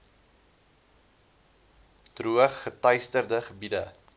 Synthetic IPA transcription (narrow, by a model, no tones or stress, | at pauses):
d̥ruəχːətɐjstərdəχəbidə